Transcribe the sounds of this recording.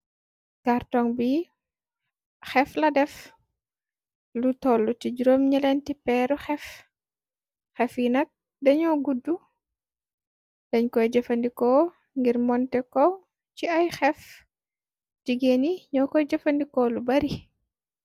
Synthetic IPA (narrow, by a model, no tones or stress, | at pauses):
kartɔŋbi | xɛflɐdɛf | lutɔlːutiɟuɾomɲɐlɛntipɛɾuxɛf | xɛfjinɐk̚ | dɐɲɔːɡudːu | dɐɲkɔjd͡ʒɐfɐndikɔ | ŋɡirmɔntɛkɔ | t͡ʃiɐjxɛf | tiɡeniɲɔːkɔjd͡ʒɐfɐndikɔlubɐɾi